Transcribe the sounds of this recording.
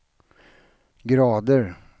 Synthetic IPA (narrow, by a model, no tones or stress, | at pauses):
ɡɾɑːd̪əɾ